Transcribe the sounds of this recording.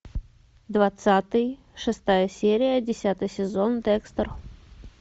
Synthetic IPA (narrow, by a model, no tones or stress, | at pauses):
d̪vat̪sat̪ɨj | ʂɨst̪ajəsʲeɾʲɪjədʲɪsʲat̪ɨjsʲɪzond̪ɛkst̪ər